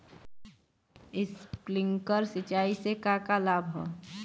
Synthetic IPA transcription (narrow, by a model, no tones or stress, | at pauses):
ɪsplɪ̃ŋkəɾsɪt͡ʃaːisekakalaːbʱɦɛː